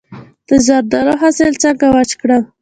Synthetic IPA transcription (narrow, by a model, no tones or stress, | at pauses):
d̪̥əzɑɾd̪ɑɾoɦaselt͡ʃaɡawat͡ʃkɽa